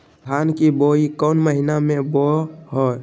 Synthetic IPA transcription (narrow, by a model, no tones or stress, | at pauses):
dʱankiboikɔnməɦinamẽboɦo